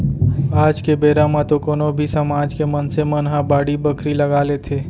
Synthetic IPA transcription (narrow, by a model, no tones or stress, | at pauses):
aːd͡ʒkebeːɾamãt̪okoːnobʱisɐmaːd͡ʒkemənsemɐnɦabaːɽibɐkʰɾilɐɡaːlet̪ʰeː